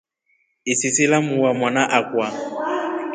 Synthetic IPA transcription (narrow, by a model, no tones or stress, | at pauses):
ɪsɪsɪlamuwamwanaʔakwa